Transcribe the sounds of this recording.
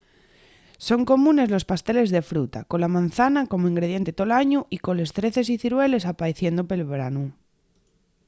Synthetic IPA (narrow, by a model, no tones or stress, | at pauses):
so̞ŋko̞mũne̞zlo̞spast̪e̞le̞zðe̞fɾut̪ako̞lamãnθanako̞moiŋɡɾe̞ð̞je̞nt̪et̪olaɲuʔiko̞le̞st̪ɾe̞θe̞s̬iθiɾwe̞le̞sapaeθje̞nd̪ope̞lβɾa̰nu